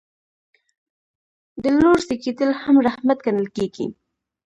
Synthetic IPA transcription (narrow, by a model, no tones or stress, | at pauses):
d̪əloɾseked̪əlhamɾahmat̪̚kanəlkeɡḭ